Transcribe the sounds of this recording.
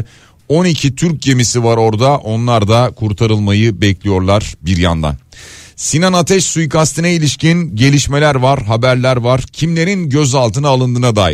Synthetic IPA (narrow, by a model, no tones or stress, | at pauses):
o̞nicʰit̪ʰyɾc̚ɟe̞misivaɾo̞ɾd̪aʔo̞nlˠaɾd̪akʰuɾt̪ʰaɾɯlˠmajɯbɛclʲijo̞ɾlˠaɾ̥biɾja̰nd̪a̰nsinanat̪ʰɛʃsujkast̪ɯnɛilʲiʃcinɟe̞lʲiʃme̞lʲæɾvaɾɦabæɾlʲæɾvaɾ̥cʰimlʲe̞ɾinɟøzalˠt̪ɯnaːlˠɯnd̪ɯːnad̪aːji